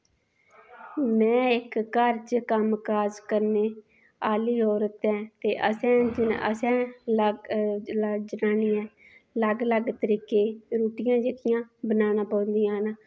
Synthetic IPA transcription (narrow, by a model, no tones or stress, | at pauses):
mɛ̃ːɪkːəɾt͡ʃkəmkaːzkəɾneː | aːliːɦoːɾət̪ɛ̃ːt̪eːʔəsɛ̃ːd͡ʒɪə̰sɛ̃ːl | d͡ʒənaːniːɛ̃ː | ləɡləɡt̪əɾiːkeːɾuːʈɪjãːd͡ʒekɪjãːbənaːnãːpə̃ːnd̪iːãːna